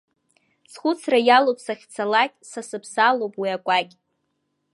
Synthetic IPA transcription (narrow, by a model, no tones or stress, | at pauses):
t͡sʰχʷʊt͡sʰrajalowpʰʼsaχʲt͡sʰalakʲʼsasɨpʰsalowpʼwiakʷʼakʲʼ